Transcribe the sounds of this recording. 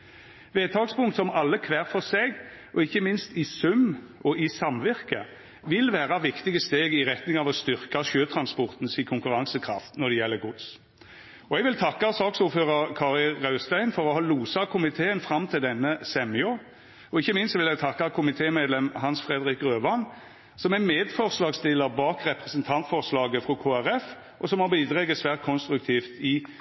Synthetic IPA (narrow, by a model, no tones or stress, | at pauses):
ʋeːt̪ʰɑːkspʊŋkt̪sɔmɑlːəkʰʋæːʁfɔseːɡ | ɔɪçːəmɪnst̪ɪsʉm | ɔʔɪsɑmʋɪʁkə | ʋɪlʋæːʁɑʋɪkt̪ɪɡəst̪eːɡɪʁɛt̪nɪŋɑːʋɔst̪ʏʁkɑʃøːt̪ʰɾɑnspɔʁt̪n̩sɪkʰʊŋkʉɾɑŋsəkʰɾɑ̰ft̪nɔʁd̪ɛjɛlːəɡʊd̪s | ɔɛɡʋɪlt̪ʰɑkːɑsɑːksuːɾføːʁəʁkʰɑːʁɪlʁɑʉst̪æɪnfɔɾɔhɑːluːsɑkʰʊmɪt̪ʰeːənfɾɑmːt̪ʰɪld̪ɛnːəsɛmɪɔ | ɔɪçːəmɪnst̪ʋɪlɛɡt̪ʰɑkːɑkʰʊmɪt̪ʰeːmeːd̪lɛmɦɑnsfɾɛːd̪əɾɪkːʁøːʋɑn | sɔmɛmeːd̪fɔʁslɑːɡst̪ɪləʁbɑːkʁɛpɾɛsənt̪ʰɑnt̪fɔʁslɑːɡəfɔkʰoːæɾɛf | ʔɔsɔmhɑbiːd̪ɾɛɡəsʋæːʁt̪̚kʰɔnst̪ɾʉk̚t̪ʰiːft̪ɪ